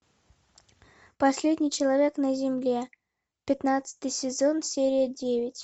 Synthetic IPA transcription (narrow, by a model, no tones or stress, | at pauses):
pɐsʲlʲedʲnʲɪjt͡ɕɪlˠɐvʲe̞knəzʲɪmlʲe̞ | pʲɪt̪nat̪sə̥t̪ɨjsʲɪzo̞nsʲeɾʲɪjədʲevʲɪtʲ